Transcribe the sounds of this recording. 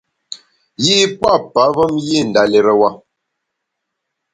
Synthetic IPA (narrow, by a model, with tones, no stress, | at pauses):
ji˦pwa˦˨pa˨˦və˦mji˦˨n̩˨da˨le˨ɾə˨wa˦˨